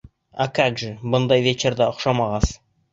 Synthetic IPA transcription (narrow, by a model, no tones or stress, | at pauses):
akaɡʒɘbʊnd̪ɑjvʲet͡ʃerd̪ɑoχʃɑmɑʁɑs